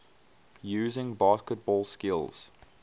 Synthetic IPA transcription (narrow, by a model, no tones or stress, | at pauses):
jʉːzɪ̃ŋbɑˑskət̚b̥ɔːlˠskɪlˠz̥